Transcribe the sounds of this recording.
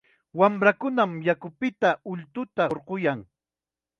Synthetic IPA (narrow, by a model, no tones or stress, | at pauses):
wamɾakʊnamjakʊpɪt̪aʊʎt̪ʊt̪aɾqojaŋ